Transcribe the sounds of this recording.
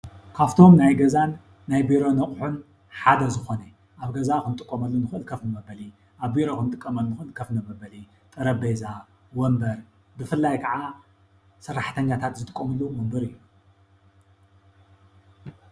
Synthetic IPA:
kʰaft̪ʰo̞mnajɡɐzanː | ajbiɾo̞nɐχʼħun | ħad̪ɐzɨxo̞ne | ʔaβɡɐzakɨnt̪ʼɨkʼːomɐlːunɨxɨʔɨlkʰɐfnɨmɐbɐli | ʔaβbiɾokɨnt̪ʼɨkʼːɐmɐlːunɨxɨɨlkʰɐfnɐmɐbɐli | t̪ʼɨɾɐbeza | wɔmbɐɾ | bɨfɨlːajkʰɐʕa | sɨrːaħt̪ʰɐɲːat̪ʰat̪zɨt̪ʼɨkʼːomɨlːumɐmbɨɾɨjːu

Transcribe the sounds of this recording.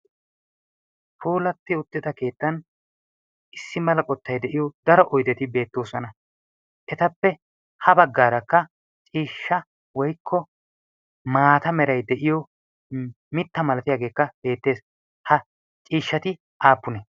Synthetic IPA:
foːlɐt̪ːɪʊt̪ːɪd̪ɐke̞ːt̪ːɐn | ʔɪsːɪmɐlɐkʼɔt̪ːɐjd̪ɛʔɪjɔd̪ɐɾɔʔɔjd̪ɛt̪ɪbe̞ːt̪ːo̞ːsɔnɐ | ʔɛt̪ɐpːɛ | hɐbɐɡːaːɾɐkːɐ | t͡ʃʼiːʃːɐ | wɔjkʰːɔ | maːt̪ɐmɛɾɐjd̪ɛʔɪjɔ | mɪt̪ːɐmɐlɐt̪ɪjaːɡe̞ːkːɐb̥e̞ːt̪ːe̞ːs | hɐ | t͡ʃʼiːʃːɐt̪ɪ | ʔaːpːʊnɛ

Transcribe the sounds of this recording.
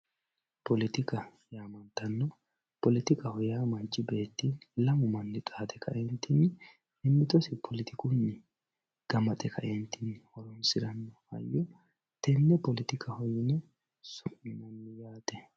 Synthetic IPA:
pɔlɪt̪ɪkɐ | jaːmɐnt̪ɐnːɔ | pɔlɪt̪ɪkʼɐhɔjaːmɐt͡ʃːɪbe̞ːt̪ːiːnlɐmʊmɐnːɪt̪ʼaːt̪ʼɛkɐ̰ʔɛnt̪ːɪnː | ɪmːɪt̪ɔsɪpʰɔlɪt̪ɪkunːɪ | ɡ̥ɐmɐt̪ʼɛkʰɐ̰ʔɛnt̪ːɪnːhɔɾɔnsɪɾɐnːɔhɐ̰jːɔ | t̪ɛnːɛpɔlɪt̪ɪkʰʼɐhɔjɪnɛ | sʊʔɪmɐnːɪjaːt̪ɛ

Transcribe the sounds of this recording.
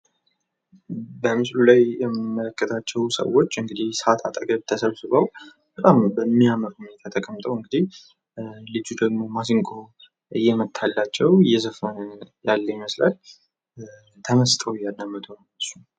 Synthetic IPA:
bəmɨslulajjɛmːɨmːələkːət̪ʰat͡ʃːɛwsə̰wo̞t͡ʃːɨŋɡɨd̪ihsat̪ʰat̪ʼəɡʼəβt̪ʰəsəβsɨβaw | b̥ət̪ʼambəmːiaməɾhune̞t̪ʰat̪ʰəkʼəmːt̪ʼəwɨŋɡɨd̪ih | lɨd͡ʒud̪əɡmo̞masiŋkʼo | ɨjːɛmət̪ʰːalːat͡ʃːɛwɨjːɛzəfənəjalːəjɪməslal | t̪ʰəməst̪ʼʰəwjːad̪ːamːət̪ʰon | əsu

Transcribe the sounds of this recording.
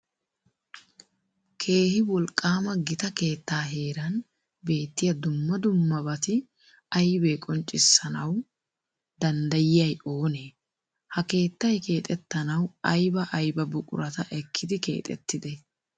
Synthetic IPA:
kʰe̞ːhɪwɔlkʼːaːmɐɡɪt̪ɐke̞ːt̪ːaːɦe̞ːɾɐn | be̞ːt̪ːɪjɐd̪ʊmːɐd̪ʊmːɐbɐt̪ɪ | ɐjbeːkʼɔnt͡ʃʼːɪsːɐnɐw | d̪ɐnd̪ɐjɪjɐjo̞ːneː | hɐke̞ːt̪ːɐjke̞ːt̪ʼɛt̪ːɐnɐwɐjbɐʔɐjbɐbʊkʼʊ̰ɾɐt̪ɐʔɛkʰːɪd̪ɪke̞̰ːt̪ʼɛ̰t̪ːɪd̪ɛ

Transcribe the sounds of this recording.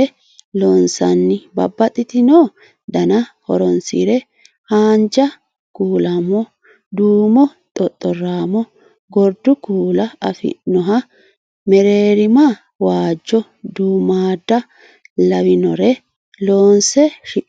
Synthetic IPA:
ɛ | loːnsɐ̰nːɪbɐ̰bːɐt̪ʼɪt̪ɪnoː | d̪ɐnɐhɔ̰ɾɔnsḭɾɛ | haːnd͡ʒɐ | kuːlɐmɔ | d̪uːmɔ | t̪ʼɔt̪ʼːɔraːmɔ | ɡɔɾd̪ʊkuːlɐɐfɪ̰nːɔɦɐ | mɛɾeːɾɪma | waːd͡ʒːɔ | d̪uːmaːd̪ːɐ | lɐwɪnɔɾɛ | loːnsɛʃɪ

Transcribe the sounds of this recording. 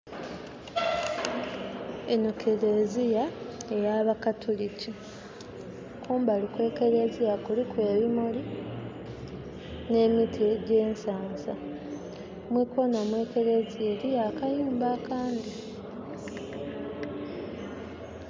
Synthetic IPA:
enukʰele̞zijae̞jaβakatʰulici | kʰuːmbalikwe̞ːke̞ɾe̞zijakulikwe̞ːβimuli | ne̞ːmitʰieɟe̞ːnsaːnza | mwiko̞nomwe̞ːke̞ɾe̞zielijakajuːmbakaːndi

